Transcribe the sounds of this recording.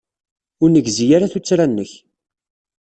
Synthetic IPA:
ʊɾnəɡzijaɾaθut͡sːɾanːəç

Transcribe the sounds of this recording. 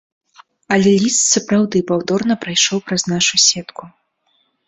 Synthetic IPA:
ɐlʲɛlʲist̪sɐpɾawd̪ɨpawd̪ɔrnɐpɾajʂɔwpɾɐznaʂusʲɛt̪ku

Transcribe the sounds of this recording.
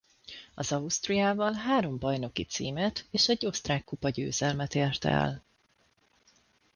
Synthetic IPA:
ɒzɒust̪rijaːvɒlɦaːɾo̞mbɒjno̞kit̪sḭːmɛt̪eːʃɛɟːo̞st̪raːkːupɒɟø̰ːzɛlmɛt̪eːrt̪ɛ̰l

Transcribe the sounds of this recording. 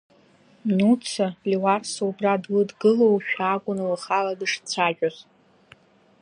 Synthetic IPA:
nut͡sʰaliwarsoubradlɨdɡɨlowʃᶣaɡʷʼʊnɨlχaladɨʂt͡sʷʰaʒᶣʼaz

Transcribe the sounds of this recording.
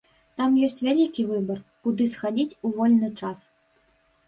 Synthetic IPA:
t̪amjɔsʲt͡sʲvʲalʲikʲivɨbɐrkud̪ɨsxad͡zʲit͡sʲuvɔlʲnɨt͡ʂas

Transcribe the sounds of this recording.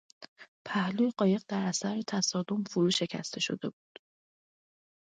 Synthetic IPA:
pʰæhluːjeɢɒːje̞ɣ̚d̪æɾæsæɾet̪ʰæsɒːd̪o̞mfoɾuːʃe̞cʰæ̰st̪ʰe̞ʃo̞̰d̪e̞̰buːd̪̥

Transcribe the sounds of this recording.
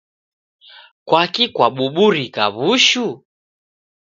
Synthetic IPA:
kwakikwaɓuɓuɾikaβuʃu

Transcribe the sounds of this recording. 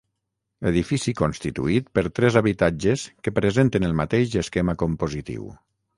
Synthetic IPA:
eðifisikonst̪it̪ṵit̪̚pəɾt̪ɾɛzaβit̪ad͡ʒeskəpɾəzent̪enəlˠmat̪eʃeskemakompozit̪ḭw

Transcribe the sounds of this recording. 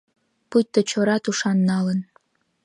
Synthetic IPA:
put̪ːŏt͡ɕoɾɑt̪uʃɑnːɑlə̆n

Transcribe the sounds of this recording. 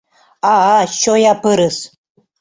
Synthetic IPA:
aɕojapɨɾɨs

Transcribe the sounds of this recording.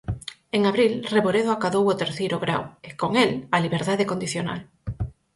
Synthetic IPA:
eŋaβɾilreβoɾeðoakaðowot̪eɾθejɾʊɣɾa̰wekoŋelaliβ̞eɾðaðekond̪iθjona̰l

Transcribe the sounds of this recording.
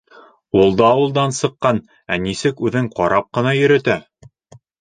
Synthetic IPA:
ulˠd̪ɑːwɤ̆lˠd̪ɑnsɤ̆qːɑn | ænisɘkʉðɘŋqɒɾɑp̚qɤ̆nɑjɵ̆ɾɘ̆t̪æ

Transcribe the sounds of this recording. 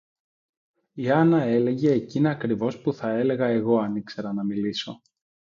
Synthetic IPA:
iɐnɐe̞le̞ʝe̞ːciniɐkɾivo̞spuθɐe̞le̞ɣɐe̞ɣo̞ɐnikse̞ɾɐnɐmiliso̞

